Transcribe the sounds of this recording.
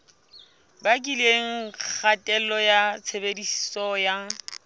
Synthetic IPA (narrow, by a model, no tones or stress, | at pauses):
bakʼileŋ̩k͡xʰatʼɛlɔjat͡sʰebedisi̥sɔja